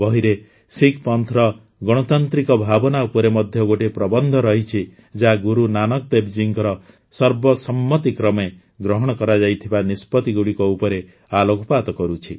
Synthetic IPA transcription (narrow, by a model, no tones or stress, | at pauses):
bɔɦiɾe | sikʰpɔnt̪ʰɾɔ | ɡɔɽ̃ɔt̪ant̪ɾikɔbʱabɔnaupɔɾemɔd̪ʱjɔɡoʈepɾɔbɔnd̪ʱɔɾɔɦit͡ʃʰi | d͡ʒaɡuɾunanɔkɔd̪ebd͡ʒiŋkɔɾɔ | sɔɾbɔsɔmːɔt̪ikɾɔme | ɡɾɔɦɔɽ̃ɔkɔɾad͡ʒajt̪ʰibanispɔt̪iɡuɽikɔupɔɾe | aloɡʱɔpat̪ɔkɔɾut͡ʃʰi